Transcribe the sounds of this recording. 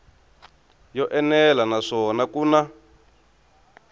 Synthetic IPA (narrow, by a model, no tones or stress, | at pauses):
jɔʔɛnɛlanaʂɔnakuːna